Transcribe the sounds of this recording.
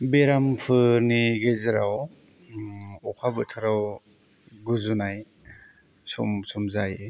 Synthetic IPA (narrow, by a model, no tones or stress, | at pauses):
beɾampʰɯniɡezɯɾaw | ɔkʰabɯtʰaɾaw | ɡuzunaj | sumsumzaje